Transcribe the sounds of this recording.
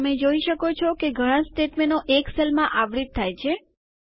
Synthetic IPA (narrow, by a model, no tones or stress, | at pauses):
əmẽd͡ʒoiʃəkot͡ʃʰɔkeɡʱəɽ̃ãsʈeʈmenoʔekselmãʔaʋɾit̪̚t̪ʰːajt͡ʃʰe